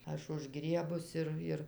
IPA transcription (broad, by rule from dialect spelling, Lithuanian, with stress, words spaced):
ˈɐʃ ʊʒˈɡrʲiɛbʊs ˈɪr ˈɪr